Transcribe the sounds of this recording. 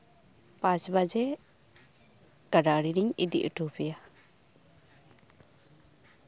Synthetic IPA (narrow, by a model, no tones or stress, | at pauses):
pãt͡ʃbad͡ʒɛ | kaɖaɽiɾiɲḭd̪ḭʔəʈʰupɛja